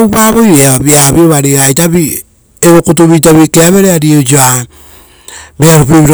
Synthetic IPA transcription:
wpaβojɾeaβaβiaβioβaɾiajtaβi | eβokot̬uβit̬aβikeaβeɾeaɾiod͡ʒoa | beaɾupiβiɾ

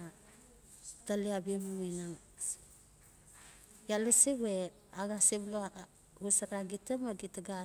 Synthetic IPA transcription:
a | taliabiemuinaŋ | jalesibe | aɡasibloa | ɡusaɾaɡitamaɡitaɡa

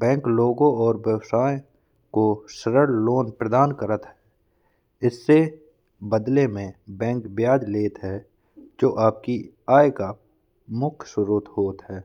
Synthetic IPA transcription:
bɛ̃ːŋkloːɡõɔːɾbjəwsaːẽ | koʃəɾəɽloːnpɾəd̪aːnkəɾət̪ɦɛː | ɪsːe | bəd̪lemẽbɛ̃ːŋkbjaːd͡ʒ̪leːt̪ɦɛː | d͡ʒoːʔaːp̚ki | aːeka | mʊkʰsʊɾuːt̪ɦoːt̪ɦɛː

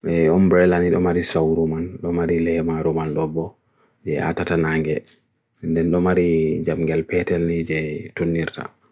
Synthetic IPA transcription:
ɛɔmbɾɛlaniɗɔmaɾisawɾumanɗɔmaɾilɛmaɾumanɗɔbːɔ | d͡ʒɛa̰tatanaŋɡɛ | ndɛnɗɔmaɾid͡ʒamɡɛlpɛtɛlnid͡ʒɛtonːiɾta̰

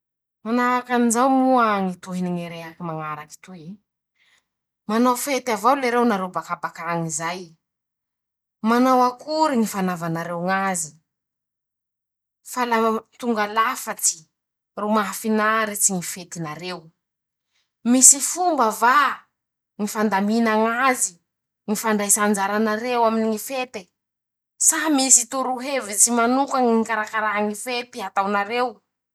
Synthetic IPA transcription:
manaakanizawmuaŋit̪uɦiniŋeɾeɦakimaŋaɾaki̥t̪ui | manafet̪avawleɾewnaɾewbakabakaŋizaj | manawakuɾiŋifanavanaɾewŋazi̥ | falat̪uŋɡalafat͡si̥ | rumafinaɾet͡siŋifet̪inaɾew | misifumbəva | ŋifand̪aminaŋazi | ŋifaɳɖ͡ʐajsand͡ʒaɾanaɾewaminiŋifet̪e | saɦmisit̪uɾuɦevit͡simanukaŋiŋikaɾakaɾaɦaŋifet̪iat̪awnaɾew

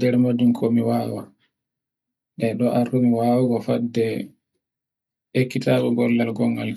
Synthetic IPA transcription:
dɛɾmad͡ʒunkʰomiwaːwa | ɗɛɗɔʔartumiwaːwaɡɔfadɛ | ekːitakɔɡɔlːalɡɔŋːɡal

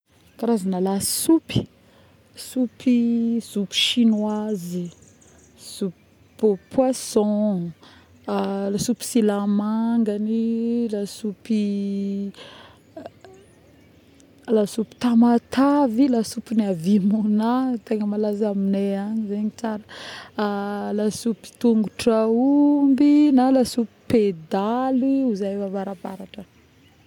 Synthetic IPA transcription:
kaɾazanalassupi̥ | supiz̥upi̥ʃinwazi | z̥up | pwasɔ̃ | lasupi̥silamaŋɡanilasupi | lasupi̥t̪amat̪ʰavilasupinavimunat̪eŋəmalazamineaɲizeɲit͡saɾə | lasupi̥t̪uŋɡuʈ͡ʂaumbinalasupi̥ped̪aliuzajvavaɾabaɾaʈ͡ʂə

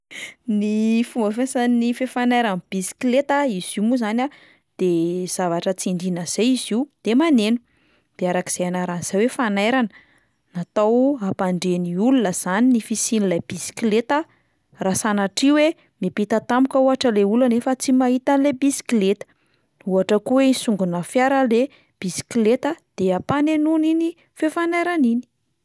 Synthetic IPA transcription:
nifumbəfesanifefanajɾanb̥isi̥klet̪aiz̥iumuzana | d̪̥ez̥avaʈ͡ʂət͡siɳɖ͡ʐinəz̥eiziud̪̥emanenu̥ | d̪̥eaɾaki̥z̥eanaɾanz̥awefanajɾanə | nat̪awapaɳɖ͡ʐeniulunəz̥aninifisinilab̥isi̥kilet̪a | rasanaʈ͡ʂiwe | mepit̪at̪amukəuaʈ͡ʂəleulanefət͡simaɦit̪anlebisi̥klet̪ə̥ | uaʈ͡ʂəkuweisuŋɡunəfjaɾəle | b̥isi̥klet̪əd̪̥eapanenunini | fefanajɾanini̥

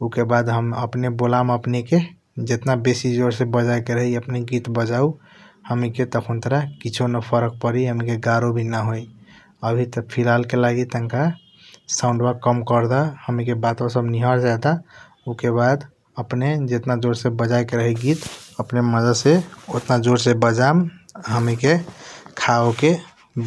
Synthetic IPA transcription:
ukebad̪ɦəməpnebolaməpneke | d͡ʒet̪nabesid͡ʒoɾsebəd͡ʒajkeɾəɦiəpneɡit̪bəd͡ʒau | həmiket̪əkʰunt̪ɾakit͡ʃʰonəpʰəɾək̚pəɾiɦəmikeɡaɾobʱinaɦoj | əbʱit̪əpʰilalkelaɡit̪əŋka | sãʊ̃ɳɖbakəmkəɾd̪ahəmikebat̪õsəbniɦəɾd͡ʒat̪a | ukebad̪ | əpned͡ʒet̪nad͡ʒoɾsebəd͡ʒajkeɾəɦɛɡit̪əpneməd͡ʒəseot̪nad͡ʒoɾsebəd͡ʒamɦəmikekʰaoke

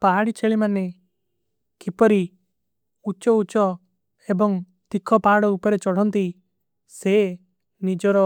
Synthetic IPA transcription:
paɦaɽit͡ʃʰeɭimane | kipɔɾi | ut͡ʃɔut͡ʃɔ | ebɔŋ | t̪ikʰɔpaɽɔupɔɾet͡ʃɔɽ̤ɔnt̪i | se | nid͡ʒɔɾɔ

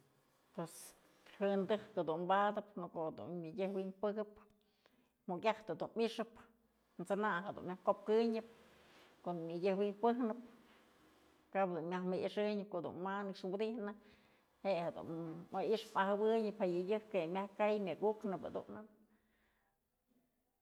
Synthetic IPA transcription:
pwes | hɨnd̪ɨhkod̪unbad̪ɨp̚nokohd̪ṵnmʲɨjʲɨhwinpɨɡɨp̚ | mokʲjaht̪ad̪unmiʂɨp | nt͡sɨnaɦed̪ṵnmʲahkop̚kɨɲɨp̚ | konmʲɨjʲɨhwinpɨhnɨp̚ | kapd̪unmʲahmɨiʂɨɲɨp̚koʔd̪ṵnmanɨkʂwɨd̪ihnɨ | heʔhed̪ṵnmaʔiʂpahabɨɲɨphajɨjɨhkemʲahkajmʲɨɡuknɨpad̪ṵn

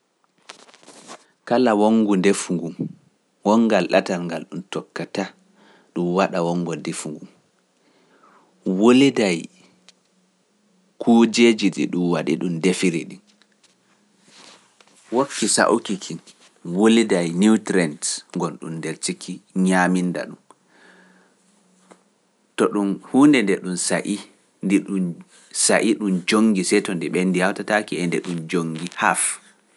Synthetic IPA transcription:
kalawoŋɡundefuŋɡum | wɔŋɡalɗa̰talŋɡalɗumtɔkːata | ɗumwaɗawɔŋɡɔndefuŋɡum | wolidaj | kʰuːd͡ʒed͡ʒiɗḭɗumwaɗḭɗumdefiɾḭɗin | wokːisa̰ʔukikʰin | wolidajnitɾɛntŋɡɔnɗṵndeɾtikʰiɲaminda̰ɗum | tɔɗunhuːndɛndɛɗunsaʔi | ndiɗun | saʔiɗumd͡ʒoŋɡisɛtɔndɛɓɛndijawtatakiɛndɛɗumd͡ʒoŋɡiha̰f

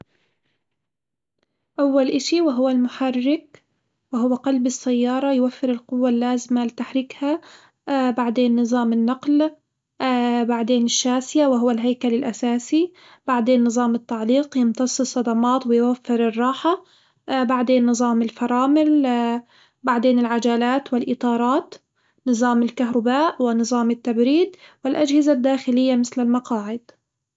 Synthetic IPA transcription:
ʔawːalʔɪʃiwɪɦʊwːalmʊħarːɪk̚ | wɪɦʊwːaqɑlbɪsːajːɑːɾˤɑjwafːɪɾɪlqʊwːalːaːzɪmalɪt̪aħɾɪkha | baʕd̪eːnːɨzˤɑːmɪnːɑql | baʕd̪eːnɪʃːaːsɪjawɪɦʊwːalɦajkalɪlʔasaːsi | b̥aʕd̪eːnːɨzˤɑːmɪt̪ːaʕliːqjɪnt̪ɑsˤːɨsˤːɑd̪ɑmɑːt̪wɪjwafːɪɾɨrˤːɑːħa | baʕd̪eːnːɨzˤɑːmɪlfɑɾˤɑːmɪl | baʕd̪eːnɪlʕad͡ʒaːlaːt̪wɪlʔɨt̪ˤɑːɾˤɑːt̪ | nɨzˤɑːmɪlkaɦɾˤɑbaːʔwɪnɨzˤɑːmɪt̪ːabɾiːd̪wɪlʔad͡ʒhɪzad̪ːaːxɪlɪjːamɪθlɪlmɑqɑːʕɪd̪̚

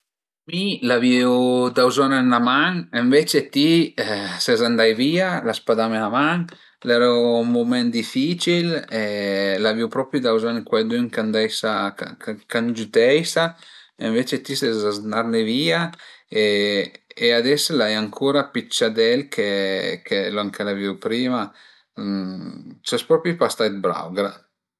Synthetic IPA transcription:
milaviwd̪awzanenamaŋeɱvet͡ʃet̪i | sezand̪ajvialaspad̪ameamaŋ | lɛɾaummumɛnd̪ifit͡ʃilelaviwpɾɔpɾjud̪awzankwajd̪yŋkand̪ɛjsaa̰kand͡ʒut̪ɛjsaeɱvet͡ʃet̪isezaznaɾneviːae | ead̪ɛslajaŋkʰuːɾapit͡ʃːad̪ɛlkʰekʰelaŋkelaviwpɾiːma | t͡ʃɛspɾɔpɾipast̪ajt̪̚bɾa̰wɡɾa

